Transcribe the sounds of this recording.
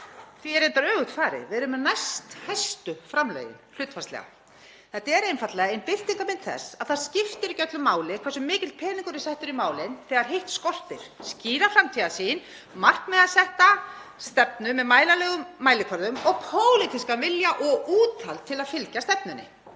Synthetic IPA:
θviɛɾejnt̪aɾœːɣʏht̪faːɾɪ̰vɪðɾʏmːɛnajst̪hajst̪ʏfɾamlœ̰ːjɪ̰nl̥ʏːt̪fḁst̪ɛ̰ɣa̰ | θɛt̪aɛɾejnfat̪lɛɣaenpɪθt̪iŋkamɪnt̪θɛ̰sːaðθaðscɪft̪ɪɾicœt̪lʏmːaːwlɪ̥kʰɛɾsʏmːɪːcɪl̚pʰɛːniŋkʏɾɪsɛht̪ʏɾimaːwlɪnθɛːɣaɾ̥ɦejht̪skɔr̥t̪ɪɾ̥sciːɾafɾamt̪ʰiɣasiːn | mar̥knmɛðasɛht̪ast̪ɛpnʏmɛðmaːjlalɛːɣʏmːaːjlɪkʰvœɾðʏmɔɣpʰoːwlɪt̪ʰɪskavɪljaʔɔɣuːt̪ʰalt̪ʰːɪlaðfɪlcast̪ɛpnʏnːɪ̰

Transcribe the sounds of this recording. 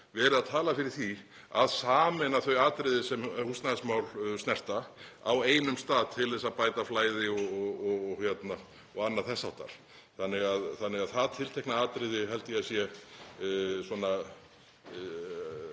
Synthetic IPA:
vɛːɾɪðaðt̪ʰaːlafɪɾɪɾ̥θi | aðsaːmɛnaθœɥaːt̪ɾɪðɪsɛmhust̪nasmawlstnɛr̥t̪aa̰weːjnʏmst̪aːðt̪ʰɪlθɛsaðpaːjt̪aflaːjðɪɔɣɔɣɔɣɔɣçjɛt̪na | ɔɣanːaθɛsːaw̥t̪a̰ɾ̥ | θanːɪɣaðθanːɪɣaðθaðt̪ʰɪlt̪ʰɛjknaaːt̪ɾɪðɪɦɛlt̪ɪjɛsjɛ | swɔna

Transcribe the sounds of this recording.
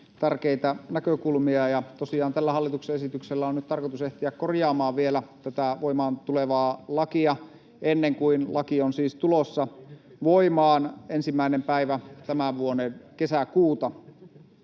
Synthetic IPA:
t̪ærkeit̪ænækøkulmiɑjɑt̪osiɑːnt̪ælːæhɑlːit̪ukseesit̪ykselːæonyt̪t̪ɑrkot̪useht̪iækkorjɑːmɑːʋʋielæt̪æt̪æʋoimɑːnt̪uleʋɑːlɑkiɑ | ʔenːeŋkuinlɑkionsiːst̪ulosːɑ | ʋoimɑːnensimːæinempæiʋæt̪æmæʋuonenkesækuːt̪ɑ

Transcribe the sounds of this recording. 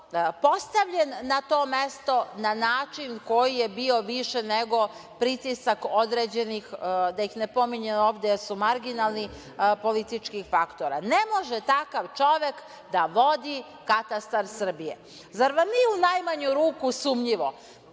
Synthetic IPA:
po̞st̪aʋʎenːat̪o̞ːme̞st̪o̞nanaːt͡ʃinko̞jijebio̞ʋiʃɛneɡo̞pɾit̪isakod̪ɾed͡ʑenixd̪ajixnepo̞miɲeoːʋd̪esumaɾɡinalˠni | po̞lit̪it͡ʃkixfakt̪oɾa̰ne̞mo̞ʒɛt̪akaʋt͡ʃo̞ʋe̞k | d̪aʋo̞d̪i | kat̪ast̪aɾsr̩bije | zaɾʋamniunajmaɲuɾuːkusumʎiʋo̞

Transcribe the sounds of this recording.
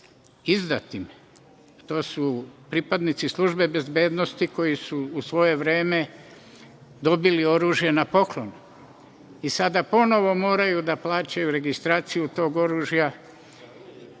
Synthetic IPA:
izd̪at̪im | t̪o̞ːsupɾipad̪nit̪sislˠuʒbe̞be̞zbe̞ːd̪nost̪iko̞jisuːsʋo̞je̞ʋɾeːme̞ | d̪o̞bilio̞ɾuːʒje̞napo̞klˠo̞n | isad̪apo̞no̞ʋo̞mo̞ːɾajud̪aplˠaːt͡ɕajuɾe̞ɡist̪ɾaːt̪sijut̪o̞ːɡo̞ɾuːʒja

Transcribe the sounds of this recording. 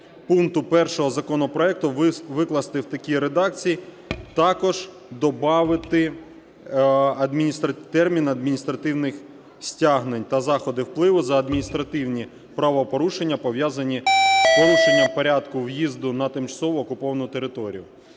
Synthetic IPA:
puŋkt̪ʊpɛrʃɔɦɔzɐkɔnɔpɾɔɛk̚t̪ʊʋɪklˠɐst̪ɪwt̪ɐkʲiɾed̪ɑk̚t͡sʲiji | t̪ɑkɔʒ | d̪ɔbɑʋɪt̪ɪ | ɐd̪mʲinʲist̪ɾɐt̪ɛrmʲinɐd̪mʲinʲist̪ɾɐt̪ɪwnɪx | sʲtʲaɦnenʲt̪ɐzɑxɔd̪ɪwplˠɪʋʊzɐːd̪mʲinʲist̪ɾɐt̪ɪwnʲi | pɾɑʋɔpɔɾuʃenʲːɐpɔʋʲjazɐnʲipɔɾˠuʃenʲːɐpɔɾʲad̪kʊwjizd̪ʊnɐt̪ɪmt͡ʃɐ̥sɔʋʊːkʊpɔʋɐnʊt̪eɾɪt̪ɔɾʲijʊ

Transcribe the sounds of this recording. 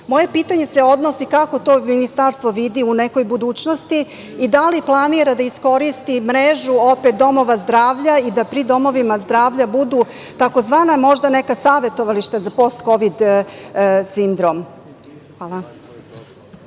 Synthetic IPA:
mo̞jepiːt̪aɲe̞seo̞d̪no̞sikako̞t̪o̞ːminist̪aɾst̪ʋo̞ʋid̪iuneko̞jbud̪uːt͡ɕno̞st̪iː | d̪aliplˠaniɾad̪aisko̞ɾist̪imɾeʒuo̞pet̪̚d̪o̞mo̞ʋazd̪ɾaːʋʎaid̪apɾid̪o̞mo̞ʋimazd̪ɾaːʋʎabud̪u | t̪ako̞zʋaːnamo̞ʒd̪anekasaːʋet̪o̞ʋaliʃt̪ezapo̞st̪ko̞ʋid̪ | sind̪ɾom | ʋaːlˠa

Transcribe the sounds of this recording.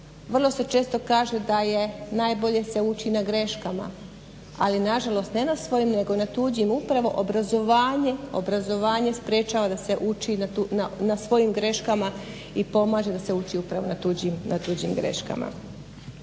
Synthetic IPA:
ʋr̩lˠo̞se̞t͡ʃe̞ːst̪o̞kaːʒe̞d̪aje̞najbo̞ʎe̞se̞ut͡ʃinaɡɾe̞ʃkama̰ | alinaʒalˠo̞st̪ne̞nasʋo̞jimne̞ɡo̞nat̪uːd͡ʑimupɾaʋo̞ʔobɾazo̞ʋaːɲe̞o̞̰bɾazo̞ʋaːɲe̞spɾe̞ːt͡ʃaːʋad̪ase̞ʔut͡ʃinuanasʋo̞jimɡɾe̞ʃkama | ipo̞maːʒe̞d̪ase̞ut͡ʃiupɾaʋo̞nat̪ud͡ʑimnat̪uːd͡ʑimɡɾe̞̰ʃka̰ma̰

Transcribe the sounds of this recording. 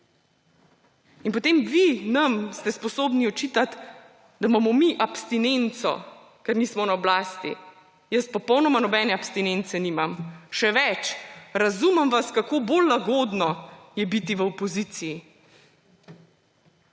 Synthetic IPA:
inpɔt̪eːmʋinamst̪ɛspɔsoːbniɔt͡ʃit̪at̪ | d̪amamɔmiʔapst̪inent̪sɔ̰ | kɛɾniːsmɔnaɔblaːst̪ḭ | jəspɔpɔwnɔmanɔbɛːnɛapst̪inent̪sɛniːmamʃɛʋɛt͡ʃɾazumɛmʋaskakoːbolːaɡoːd̪nɔjɛbit̪iʋəɔpɔziːt̪siji

